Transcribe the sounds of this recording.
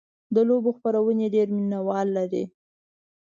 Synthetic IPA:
d̪əloboxpaɾawəneɖeɾminawɑlːaɾi

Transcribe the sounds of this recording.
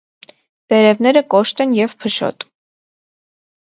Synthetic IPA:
v̥ɛɾɛvn̪ɛɾəkɔʃt̪ɛnjɛvpʰəʃɔ̰t̪

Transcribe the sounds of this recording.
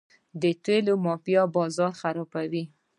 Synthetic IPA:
d̪ət̪welomɑpjɑbɑzɑɾxaɾɑbawi

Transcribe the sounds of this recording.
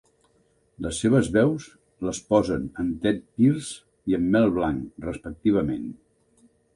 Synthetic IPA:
ləsːeβ̞əzβɛws | ləspɔzənənt̪ɛt̪̚pirz | iəmːɛlˠβlaŋrəspək̚t̪iβ̞əmḛn

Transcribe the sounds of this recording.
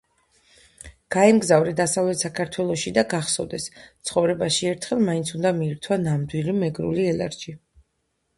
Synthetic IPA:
ɡ̥aɛmɡzavɾɛd̪asavlɛt̪ʰsakʰaɾt̪ʰwɛlˠɔʃid̪aɡaχsɔvd̪ɛst̪sʰχɔvɾɛbaʃiɛɾt̪ʰχɛlˠmaint̪sʰund̪amiːɾt̪ʰwanamd̪wilimɛɡɾṵliɛla̰ɾʃi

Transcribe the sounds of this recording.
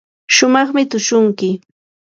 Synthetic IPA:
ʃʊmɑχmɪt̪ʊʃʊŋkɪ

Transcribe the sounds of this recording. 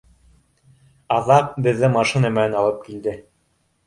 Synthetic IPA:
ɑðɑq̚bɘ̆ðːɘmɑʃinɑmɘ̆nænɑlˠɤp̚kild̪ɘ

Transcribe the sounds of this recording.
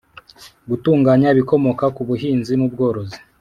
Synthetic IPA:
ɡutuːŋɡaːɲaβiko̞mo̞kakuβuɦiːnzimubɡo̞ːɾo̞zi̥

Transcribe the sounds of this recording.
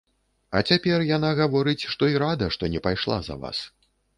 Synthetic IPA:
ɐ̰t͡sʲapʲɛrjanaɣavɔɾɨt͡sʲʂt̪ɔiɾad̪ɐʂt̪ɔnʲɛpajʂlˠa̰zɐ̰va̰s

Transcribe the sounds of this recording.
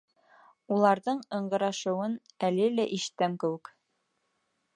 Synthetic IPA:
ulˠɑɾðɤɴɤ̆ɴɢɤ̆ɾɑʃɤ̆wɤnælɘlæʔiʃɘt̪æmkɘ̆wɘ̆k

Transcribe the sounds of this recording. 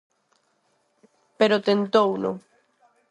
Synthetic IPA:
peɾot̪ent̪owno̰

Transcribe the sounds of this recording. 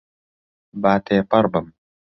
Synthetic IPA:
baːt̪eːpɐɾbɐm

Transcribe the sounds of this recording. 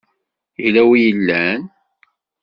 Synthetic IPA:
ilæwijəlːæn

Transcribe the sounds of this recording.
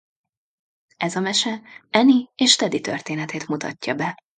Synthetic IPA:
ɛzɒmɛʃɛʔɛnieːʃt̪ɛd̪it̪ø̰rt̪eːnɛt̪eːt̪mut̪ʰɒ̰cːɒbɛ

